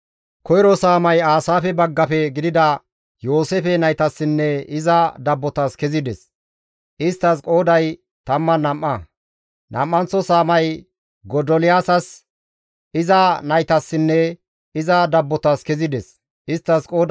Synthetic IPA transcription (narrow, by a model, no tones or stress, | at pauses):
kʰɔjɾɔsaːmɐjaːsaːfɛbɐɡːɐfɛɡɪd̪ɪd̪ɐ | jo̞ːsefɛnɐjt̪ɐsːɪnːɛɪzɐd̪ɐbːɔt̪ɐskɛzɪd̪ɛs | ʔɪst̪ːɐskʼo̞ːd̪ɐj | t̪ɐmːɐnɐmːɐ | nɐ̰mːɐnt͡sːɔsaːmɐj | ɡɔd̪ɔlɪjaːsɐs | ɪzɐnɐjt̪ɐsːɪnːɛ | ɪzɐd̪ɐbːɔt̪ɐskɛzɪd̪ɛs | ɪst̪ːɐskʼo̞ːd̪